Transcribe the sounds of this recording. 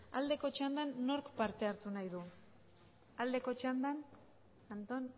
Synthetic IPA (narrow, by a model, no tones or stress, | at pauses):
ald̪e̞ko̞t͡ʃand̪anːo̞ɾkpaɾt̪e̞aɾt̪unajðu | ald̪e̞ko̞t͡ʃand̪an | ant̪o̞n